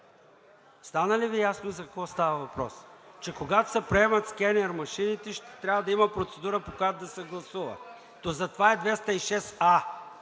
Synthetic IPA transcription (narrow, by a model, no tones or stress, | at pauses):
st̪anəlivijasnozɐkɐkvɔst̪avəvɐpɾɔ̰st͡ʃɛkoɡat̪o̥sɛpɾɛmɐt̪skʲɛnɛɾmɐʃinit̪ɛʃt̪ɛt̪ɾʲavəd̪ɐimɐpɾot̪sɛd̪uɾəpokojat̪ʊd̪ɐsɛɡlˠɐsuvə̰ | t̪ozɐt̪ovaɛd̪vɛst̪əiʃɛsa